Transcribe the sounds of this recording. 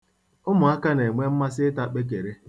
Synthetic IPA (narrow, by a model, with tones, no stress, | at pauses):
ʊ˦mʊ˨a˦ka˦ne˨ŋʷe˦m̩˦ma˦s̬ɪ˦ɪ˦ta˦k͡pe˦k̬e˨ɾe˦